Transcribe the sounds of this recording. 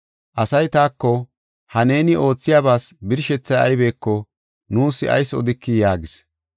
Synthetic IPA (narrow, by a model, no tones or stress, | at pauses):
ʔɐsɐjt̪aːkːɔ | hɐne̞ːnɪʔo̞ːt͡sːɪjaːbaːsbɪɾʃɛt͡sːɐjɐ̰jbe̞ːkːɔ | nuːsːɪ̰ɐ̰jsɔ̰d̪ɪkːɪjaːɡɪs